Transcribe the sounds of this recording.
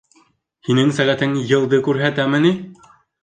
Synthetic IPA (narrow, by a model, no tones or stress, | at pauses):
hinɘŋsæʁæt̪ɘŋjɤ̆lˠd̪ɤkʉɾɦæt̪æmɘ̆ni